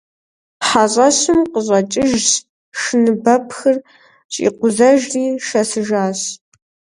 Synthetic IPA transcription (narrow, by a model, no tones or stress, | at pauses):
ħaɕʼɐɕɨmqəʑʼɐt͡ʃʼɪʒt | ʂɨnɨbɐpʰxɨr | ɕʼḭːqʷʊzɐʒriːʃɐsɨʒaːɕ